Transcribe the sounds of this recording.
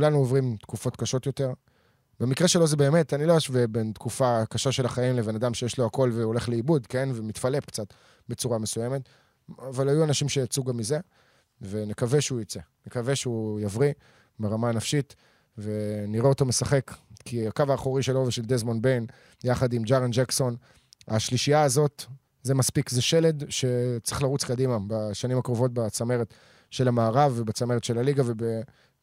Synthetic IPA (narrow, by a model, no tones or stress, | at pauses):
kulanuovʁimt̪kufo̞t̪kaʃo̞tjo̞te̞ʁ | be̞mikʁeʃelo̞zebe̞ːme̞taniloaʃvebent̪kufakaʃaʃe̞laχaimleve̞nadamʃejeʃlo̞ako̞lveole̞χleibudke̞nvemitfalepkt͡sat̪ | be̞t͡suʁame̞sujeme̞t̪ | avalhajuanaʃimʃejat͡suɡamːize̞ | ve̞nekave̞ʃeujot͡senekaveʃeujavʁi | beʁamanafʃit | ve̞niʁeoto̞me̞saχe̞kkʰiakavaːχoʁiʃeloveʃe̞ld̪ezmo̞nbejn | jaχadimd͡ʒaʁand͡ʒekso̞n | aʃliʃijaːzo̞t̪ | ze̞maspikzeʃe̞le̞d̪ʃe̞t͡sʁeχlaʁut͡skadimabaʃanimakʁovo̞t̚bat͡sameʁet | ʃe̞lamaːʁavebat͡sameʁet̪ʃe̞laliɡave̞be